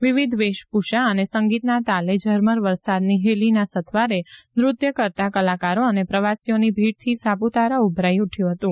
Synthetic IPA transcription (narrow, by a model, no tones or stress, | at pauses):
ʋiʋid̪ʱʋeʃpuʃaənesəŋɡit̪nat̪aled͡ʒʱəɾməɾʋəɾsad̪niɦelinasət̪ʰʋaɾenɾʊt̪jəkəɾt̪akəlakaɾoənepɾəʋasijonibʱiɽt̪ʰisabut̪aɾaubʱɾaiuʈʰjũɦət̪ũ